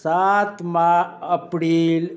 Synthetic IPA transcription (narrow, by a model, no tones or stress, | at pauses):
sat̪mãəpɾiːl